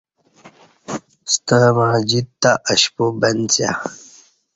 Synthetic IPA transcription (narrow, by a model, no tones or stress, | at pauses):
st̪əmãːd͡ʑit̪ːaʔəɕpubɐnt͡sja̰